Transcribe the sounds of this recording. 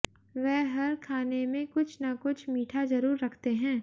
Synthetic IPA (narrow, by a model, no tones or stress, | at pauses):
ʋɛɦɦɐɾkʰaːnemẽkʊt͡ʃʰnakʊt͡ʃʰmiːʈʰazɐɾuːɾːɐkʰt̪eɦɛ̃ː